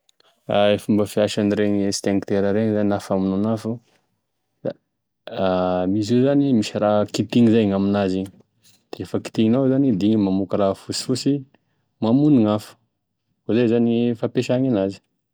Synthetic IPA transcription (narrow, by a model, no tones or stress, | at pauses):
aefumbəfiaʃaniɾeɲist̪aŋkt̪eɾəɾeŋzaninafaminonafu̥ | a̰ | amizizanimisiɾakit̪iŋizajŋaminaziɲi | d̪̥eefəki̥t̪iŋinawzanid̪iŋimamukəɾafusi̥fusi | mamuniŋafu̥ | ozajzanifapeʃaŋanazi̥